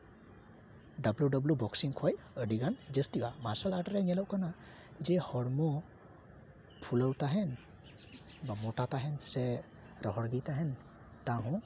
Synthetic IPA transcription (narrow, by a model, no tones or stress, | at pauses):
ɖabluɖɔblubɔksiŋkʰɔj | əɖiɡand͡ʒəst̪ibamasəlaʈɾɛɲɛlɔʔkana | d͡ʒɛhɔɽmɔ | pʰuləwt̪aɦɛn | bamɔʈat̪aɦɛnsɛ | ɾɔɦɔɽɡɛjt̪aɦɛn | t̪ãɦɔ̃